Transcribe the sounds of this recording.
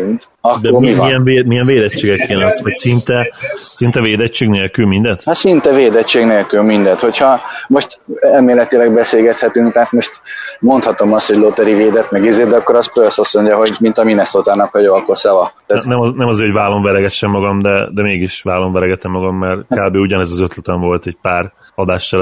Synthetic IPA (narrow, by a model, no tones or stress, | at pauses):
ɒd̪oivijɛnvemijɛɱveːd̪ɛt͡ʃːeːɡɛkjelɛnsʋɒcsint̪ɛsint̪ɛveːd̪ɛt͡ʃːeːɡneːlkylmind̪ɛt̪hat̪sint̪ɛveːd̪ɛt͡ʃːeːɡneːlkylmind̪ɛt̪ho̞cʰhɒmo̞ʃt̪ɛlmeːlɛt̪ilɛɡ̚bɛseːlɡɛt̪hɛt̪yŋkt̪aɦat̪mo̞ʃt̪mo̞nt̪hɒt̪o̞mɒst̪ho̞ɟlot̪ɛɾiveːd̪ɛt̪mɛɡizeːd̪ɛɒkːoɾɒspøsɒsoɲɟɒɦo̞ɟmint̪ɒminɛsoːt̪aːnɒkhɒjoɒkosɛvɒt̪anɛmnɛmɒzeːɾhoɟvaːlo̞ɱvɛɾɛɡɛʃːɛmːɒɡɒmd̪ɛd̪ɛmeːɡiʃʋaːlo̞ɱvɛɾɛɡɛt̪ɛmːɒɡɒmːɛrkaːbeːuɟɒnɛzɒzøt̪lɛt̪ɛɱvo̞lt̪ɛɟ̚paːr | ɒd̪aːʃːɛl